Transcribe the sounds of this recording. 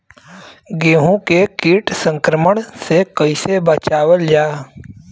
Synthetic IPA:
ɡeːɦũkekiːʈsə̃ŋkɾəməɳsekəɪsebət͡ʃaːwəld͡ʒaː

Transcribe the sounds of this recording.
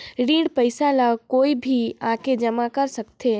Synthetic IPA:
ɾiːɽpəɪsalakoːibʱiaːked͡ʒəmakəɾsəkt̪ʰe

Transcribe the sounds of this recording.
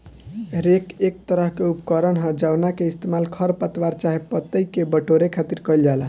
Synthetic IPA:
ɾekek̚t̪əɾəɦkeupkəɾənɦəd͡ʒawnakeist̪emalkʰəɾpət̪waɾt͡ʃaɦepət̪ːəikebəʈoɾekʰat̪iɾkəjld͡ʒala

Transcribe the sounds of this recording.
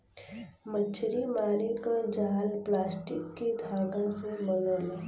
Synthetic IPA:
mət͡ʃʰɾimaːɾikad͡ʒaːlplaːsʈɪkːid̪ʱaːɡãsebənəl

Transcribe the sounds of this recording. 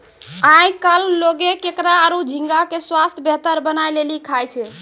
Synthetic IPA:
ãjkalːoɡekekɾaːɾud͡ʒʱiŋɡakeswast̪ʰjəbʱet̪əɾbənajlelikʰajt͡ʃʰɛ

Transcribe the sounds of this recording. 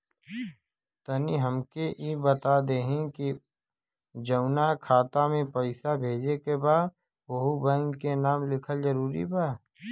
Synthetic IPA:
t̪əniɦəmkeʔibət̪ad̪eːɦẽki | d͡ʒɐʊnakʰaːt̪amẽpɐɪsabʱeːd͡ʒekebaːd̪ | bɐɦubə̃ŋɡkenaːmlɪkʰəlzəɾuːɾḭbaː

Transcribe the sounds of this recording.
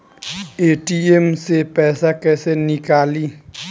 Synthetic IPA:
eːʈiemsepɛːsakɛːsenɪkaːli

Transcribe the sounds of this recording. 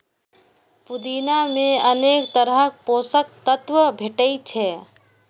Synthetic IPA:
pud̪inamẽəneːkt̪əɾəɦək̚posək̚t̪ət̪ʋəbʱeʈəit͡ʃʰɛ

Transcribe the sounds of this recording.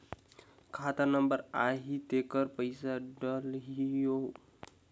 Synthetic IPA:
kʰat̪anəmbəɾaɦit̪ekəɾpəjsaɖəlɦijo

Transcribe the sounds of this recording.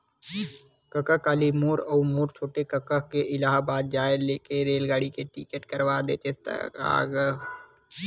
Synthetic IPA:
kəkəkaːlimuːɾoumuːɾt͡ʃʰoːʈekəkəkeʔɪlaːɦbaːd̪̚d͡ʒaːeleːkeɾeːlɡaːɽikeʈḭːkeʈkəɾʋaːd̪ḛːt͡ʃest̪ə̰a̰ːɡə

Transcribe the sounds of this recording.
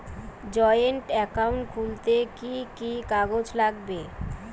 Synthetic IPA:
d͡ʑɔjeɳʈɛkawɳʈkʰult̪ekikikaɡod͡ʑlaɡbe

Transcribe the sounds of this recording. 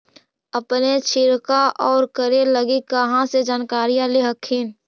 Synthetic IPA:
əpnet͡ʃʰɪɾkaʔɔːɾkəɾeləɡikəɦãsed͡ʒaːnkaːɾijãleɦəkʰːen

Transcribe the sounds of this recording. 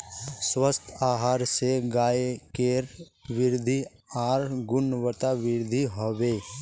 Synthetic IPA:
swəst̪ʰaːɦaːɾseɡaːekeɾ | ʋɪɾd̪ʱi | aːɾɡʊnəwət̪aʋɪɾd̪ʱiɦoːʋeː

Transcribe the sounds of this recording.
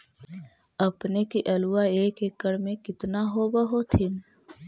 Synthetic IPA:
ɐpnekiʔɐluwaeːkekːəɽmẽkɪt̪naɦobəɦot̪ʰɪn

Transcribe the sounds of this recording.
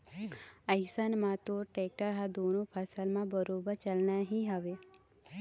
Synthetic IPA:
əjsənmãt̪oʈek̚ʈəɾɦad̪onopʰəsəlmãbəɾobəɾt͡ʃəlnaɦĩɦaʋe

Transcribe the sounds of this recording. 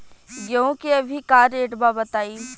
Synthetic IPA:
ɡjõːkiɐbʱikaːɾeːʈbabɐt̪aːiː

